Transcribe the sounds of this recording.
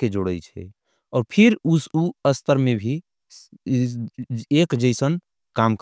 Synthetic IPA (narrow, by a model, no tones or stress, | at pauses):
ked͡ʒoɽət͡ʃʰɛ̰ | ɔːɾpʰiɾusuəst̪ʰəɾmebʱi | ekd͡ʒəɪsən | kamk